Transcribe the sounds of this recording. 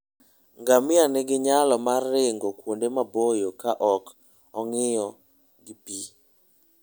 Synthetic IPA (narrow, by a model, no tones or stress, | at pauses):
ŋɡamɪanɪɡɪɲalɔmarːɪŋɡokwondemabojokaʔɔk | ɔŋɪjɔ | ɡɪpi